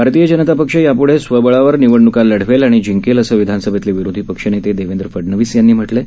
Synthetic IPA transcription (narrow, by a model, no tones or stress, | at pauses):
bʱaɾt̪ijəd͡ʑənət̪apəkʂəjapuɽ̤esʋəbəɭaʋəɾniʋəɳːukalːəɽ̤ʋelaɽ̃id͡ʑiŋkeləsəʋid̪ʱansəbʱat̪leʋiɾod̪ʱipəkʂənet̪ed̪eʋend̪ɾəfəɽnəʋiːsjanːiːm̤əʈle